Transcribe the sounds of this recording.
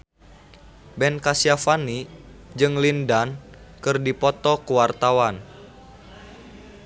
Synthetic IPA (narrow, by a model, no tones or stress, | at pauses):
bɛnkasiafanid͡ʒɨŋlindan | kɨrdipɔt̪ɔkuwart̪awan